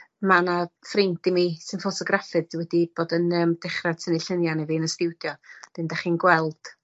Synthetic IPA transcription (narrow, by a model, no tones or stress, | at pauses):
manafrɪntimisɨnfɔtʰɔɡrafɨðdwɛdib̥oːdənəmd̥ɪχrḁtʰəniɬənjaniviːnəstɪwdjɔd̥ɪndaχiːnɡwɛlˠd̥